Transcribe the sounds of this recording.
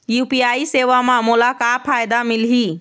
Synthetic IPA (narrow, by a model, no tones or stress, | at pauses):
jupiaiseʋamamulakapʰajd̪amilɦi